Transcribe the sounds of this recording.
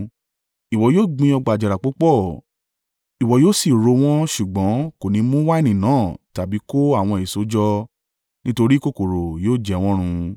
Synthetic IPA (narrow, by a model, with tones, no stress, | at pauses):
i˨wɔ˨joː˦˨ɡ͡bĩ˧ɔ˧ɡ͡ba˨d͡ʒa˨ɾa˨k͡po˨˦k͡pɔ˦˨ | i˨wɔ˨joː˦˨si˦˨ɾo˧w̃ɔ̃˦ʃu˨ɡ͡bɔ̃˨˦ko˨nĩ˧˦mũ˦wa˦ɛ˦˨nĩ˨nãː˨˦˨ta˨bi˨˦ko˦a˦˨w̃ɔ̃˧e˨so˨˦d͡ʒɔ˦ | nĩ˦to˧ɾi˦ko˦˨ko˨ɾo˨joː˦˨d͡ʒɛ˧˦w̃ɔ̃˦ɾ̃ũ˧